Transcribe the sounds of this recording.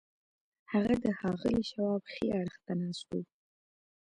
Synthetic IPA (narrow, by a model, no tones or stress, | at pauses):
haɣad̪əhɑɣɪ̰liʃawɑbxeaɽxt̪anɑst̪uw